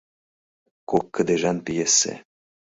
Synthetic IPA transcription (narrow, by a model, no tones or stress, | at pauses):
kokːə̆d̪eʒɑnpijesːḛ